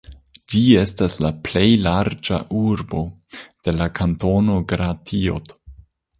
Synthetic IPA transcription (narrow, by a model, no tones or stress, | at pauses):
d͡ʒiestaslaple̞jlaɾd͡ʒa̰ʔuɾbo̞d̥e̞lakʰanto̞no̞ɡɾatʰio̰d